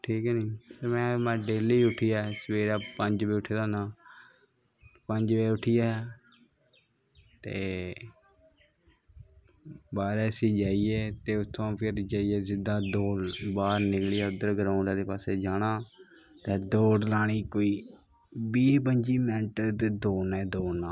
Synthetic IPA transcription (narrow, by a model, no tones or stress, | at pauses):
ʈʰiːkːniːpəɾmɛ̃ːmɛ̃ːɖeːliːʊʈʰɪjaːsəʋeːɾaːpəɲd͡ʒbiːʊʈʰelãːnaː | pəɲd͡ʒʋeːʊʈʰɪjaː | t̪eː | baːɾɛːsiːd͡ʒaːieːt̪eːʊt̪ʰːõːpʰɪɾd͡ʒaːijeːzɪd̪aːd̪oːɽbaːɾnɪklɪjaːʊd̪əɾɡəɾaːʊɳaːd̪eːpaːseːd͡ʒaːɽ̃aː | t̪ẽːd̪oːɽlaːɽ̃iːkoːiː | biːbənd͡ʒiːmɛ̃ːɳʈəɾt̪ed̪oːnɛːd̪oːnaː